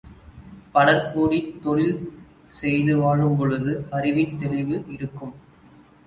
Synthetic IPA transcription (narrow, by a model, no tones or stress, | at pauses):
pɐɽɐɾkoːɽit̪ːɔɻɪl | sɛjðɯʋaːɻɯmp̬ɔɻɯðɯɐɾɪʋɪnt̪ɛɭɪʋɯʔɪɾɯkːɯm